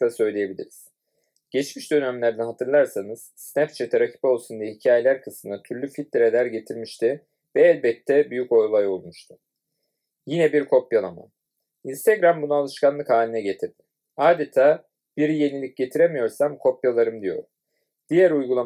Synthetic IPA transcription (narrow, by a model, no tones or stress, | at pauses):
t̪asø̞jlʲeje̞bilʲḭɾiz̥ | ɟ̥ɛt͡ʃmiʃd̪ø̞nɛmlʲæɾd̪ɛɦat̪ʰɯɾlˠaɾsanɯz̥snæpt͡ʃʰɛt̪ʰɛɾacʰi̥po̞lˠsund̪ijɛɦicʰaːje̞lʲæɾkʰɯsmɯnd̪at̪ʰyɾlʲyfit̪̚liɾed̪ʲæɾɟe̞t̪ʰiɾmiʃt̪ʰɪ | vɛːlʲbɛt̪ʰːɛbyjyco̞jlˠajo̞lˠmuʃt̪ʰʊ̥ | jinɛbiɾkʰo̞pjalˠama̰n | inst̪ʰeɡɾambunualˠɯʃkʰanlˠɯkhaːlʲinɛɟet̪ʰiɾ | aːd̪e̞t̪ʰaː | b̥iɾje̞nilʲic̚ɟe̞t̪ʰiɾemijo̞ɾsamkʰo̞pjalˠaɾɯmd̪ijo̞̰ɾ | d̪̥ijæɾujɡulˠa